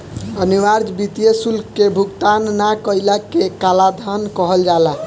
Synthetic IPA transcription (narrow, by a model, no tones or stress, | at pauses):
əniʋaɾd͡ʒbit̪ijesulkːebʱukt̪anːakəjlakekalad̪ʱankəɦəld͡ʒala